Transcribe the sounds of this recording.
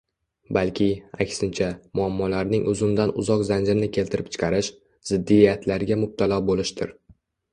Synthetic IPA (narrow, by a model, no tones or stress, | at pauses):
balkʲʰɪa̰kʲsɪnt͡ʃʰamʊamːɒlaɾnɪŋʔɵzɪmd̪anʊ̰zɒqzand͡ʒɾɪnɪkʲʰe̞lt̪ʰɪɾɪp̚t͡ʃʰɪ̥qʰɑɾɪʃ | z̥ɪd̪ːijat̪ʰlaɾɡʲamʊb̚t̪ʰalˠɒbolɪʃt̪ɪ̰ɾ